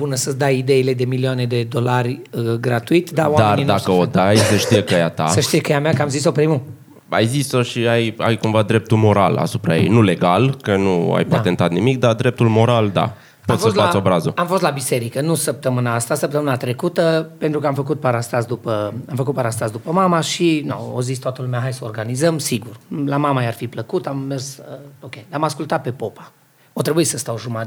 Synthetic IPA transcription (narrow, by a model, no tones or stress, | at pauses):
bunəsəd̪ajid̪e̞ile̞d̪e̞miliane̞d̪e̞d̪o̞larʲɡɾat̪uit̪ʲd̪awad̪aernid̪akəod̪ajsəʃt̪ijekəjat̪a̰səʃt̪ijekəjameakəamzis̬opɾimu | a̰jziso̞ʃiaja̰jkumvad̪ɾe̞p̚t̪ulmo̞ɾa̰la̰supɾa̰jḛjnule̞ɡalkənua̰jpat̪e̞nt̪at̪nimik̚d̪ad̪ɾe̞p̚t̪ulmo̞ɾald̪a̰ | pot̪fsosəsatasobɾazəamfost̪labise̞ɾikənusəp̚t̪əmɨnaast̪asəp̚t̪əmɨnat̪ɾe̞kut̪əpe̞nt̪ɾukəamfəkut̪̚paɾast̪asd̪upəamfəkut̪̚paɾast̪asd̪upəmamaʃino̰o̰zisʲt̪oat̪əlumeaɦajsəorɡanizəmsiɡurlamamajarfipləkut̪ammersəokʲejd̪amaskult̪at̪̚pe̞po̞pḁ | ot̪ɾe̞buisəst̪awʒuma